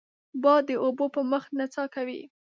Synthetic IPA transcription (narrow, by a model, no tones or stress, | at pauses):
bɑd̪əʔobopəməxnat͡sɑkawḭ